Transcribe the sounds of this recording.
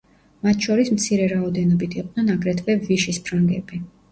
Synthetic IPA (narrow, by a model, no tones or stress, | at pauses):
mat̪ʰʃɔɾismt̪sʰiɾɛɾaɔd̪ɛnɔbit̪ʰiqʼdnɛnaɡɾɛt̪ʰvɛviʃispʰɾaŋɡɛbi